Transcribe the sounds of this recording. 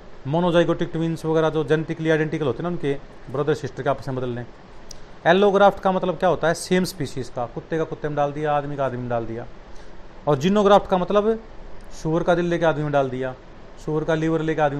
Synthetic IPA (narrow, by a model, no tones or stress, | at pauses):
moːnoːd͡ʒaːɪɡoːʈɪkʈʋiːnsʋəɡɛːɾad͡ʒoːd͡ʒɛnːʈɪkliːaːɖɛ̃ːɳʈɪkəlɦoːt̪eːnaʊnkebɾəd̪əɾsɪsʈəɾkeaːpəsnẽːbəd̪əlːẽː | ɛːlːoːɡɾaːpʰʈkaːmət̪ləb̚kjaːɦoːt̪aːɦɛːseːmspiːʃiːzkaːkʊt̪ːeːkaːkʊt̪ːeːmẽɖaːld̪ɪjaːaːd̪mikaaːd̪miːmẽɖaːld̪ɪja̰ː | ɔːɾd͡ʒɪnoːɡɾaːpʰʈkaːmət̪ləbsʊːəɾkaːd̪ɪlːeːkeaːd̪miːmẽɖaːld̪ɪjaː | suːʋəɾkaːlɪʋəɾleːkeaːd̪mi